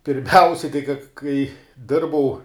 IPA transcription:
pʲɪrʲˈmʲɛʊsʲɛ kɐɪ kɐ kɐɪ ˈdʲɪrbɐʊ

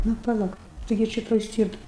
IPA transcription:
nʊ pɐˈlˠɐ tɐɪˈɡʲɪ ˈt͡ʃʲɛ toːj ˈsʲtʲiːrtɐ

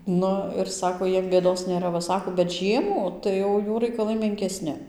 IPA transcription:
ˈnʊ ɪr ˈsɑːkoː ˈjiɛm bʲeːˈdoːs nʲeːˈrɐ ʋɐ ˈsɑːkoː bʲɛt ˈʒʲiɛmuː tɐɪ ˈjɛʊ ˈjuː rɐɪkɐˈlˠɐɪ mʲɛŋʲkʲɛˈsʲnʲɪ

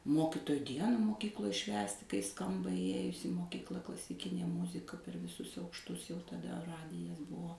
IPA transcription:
ˈmoːkʲɪtoːjʊ ˈdʲiɛnɐ moːˈkʲiːklˠoːj ˈʃʲʋʲæːsʲtʲɪ kɐɪ ˈskɐmbɐ iːˈjeːjʊs iː moːˈkʲiːklˠɐ klˠɐsʲɪˈkʲɪnʲeː ˈmʊzʲɪkɐ pʲɛr ʋʲɪˈsʊs ɐʊkʃˈtʊs jɛʊ tɐˈdɐ ˈrɑːdʲɪjɛs ˈbʊʋoː

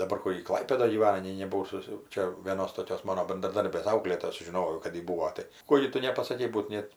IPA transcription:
dɐˈbɐr ˈkʊr jɪ ˈklˠɐɪpʲeːdoːj ɡʲiːˈʋɑːnɐ nʲɛɪ nʲɛbʊˈʋɐʊ ˈsʊs jɛʊ ˈt͡ʃʲɛ ʋʲeːˈnoːs toːˈkʲoːs ˈmɑːnoː bʲɛndrɐˈdɐrʲbʲeːs ˈɐʊklʲeːtoːjɛ sʊˈʒʲɪnoːjɛʊ kɐt ˈjɪ ˈbuːoː ˈtɐɪ ˈkoː ɡʲɪ ˈtʊ nʲɛpɐsɐˈkʲɛɪ ˈbuːt ˈnʲeːt

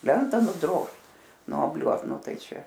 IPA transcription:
ˈlʲɛntɐ nʊˈdroːʃt nuɔˈbʲlʲuɔt ˈnʊ ˈtɐɪ ˈt͡ʃʲɛ

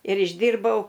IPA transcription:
ɪr ɪʒʲˈdʲiːrbɐʊ

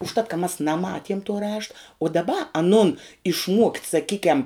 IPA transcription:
ʊʃˈtɐt kɐ mɐs nɐˈmɑːtʲiɛm tuɔ ˈrɑːʃtɐ ʊ dɐˈbɐ ɐˈnʊn ɪʃˈmuɔktʲ sɐˈkʲiːkʲɛm

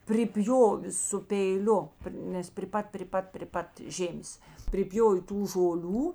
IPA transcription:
pʲrʲɪˈpʲjoːʋʲeː sʊ pʲɛɪˈlʲʊ ˈnʲɛs pʲrʲɪ ˈpɐt pʲrʲɪ ˈpɐt pʲrʲɪ ˈpɐt ˈʒʲeːmʲeːs pʲrʲɪˈpʲjoːw ˈtuː ʒoːˈlʲuː

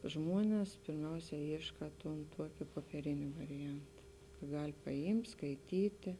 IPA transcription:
ˈʒmuɔnʲɛs pʲɪrʲˈmʲɛʊsʲɛ ˈiːʃkɐ tʊn ˈtuɔkʲeː poːpʲiɛˈrʲeːnʲeː ʋɐrʲɪˈjɛnt ˈɡɐlʲ pɐˈɪmʲtʲ skɐɪˈtʲiːtʲeː

